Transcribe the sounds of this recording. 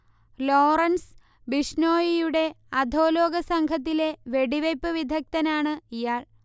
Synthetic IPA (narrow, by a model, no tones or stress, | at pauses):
loːrɐns | biʂnoːjijuɽe̞ | ɐd̪ʱo̞ːlo̞ːɡɐsɐŋɡʱɐt̪̬ːile̞ʋe̞ɽiʋɐjpːɨʋid̪ʱɐk̚t̪ɐnaːɳɨijaːɭ